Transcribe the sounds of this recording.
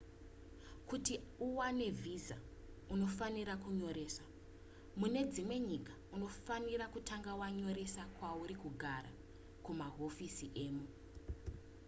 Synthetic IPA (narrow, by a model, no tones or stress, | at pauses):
kutiuwane̞vʱiza̰uno̞faniɾakuɲo̞ɾe̞ːsa | mune̞d͡zimwe̞ɲikḁuno̞fanirakutʰaŋɡawaɲo̞ɾe̞sakwauɾikuɡʱaɾa̰ | kumaɦo̞fisiʔe̞ːmu